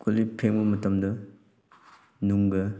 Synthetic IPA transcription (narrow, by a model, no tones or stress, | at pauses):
kʰolipʰeŋbɐmɐtɐmdɐ | nuŋɡɐ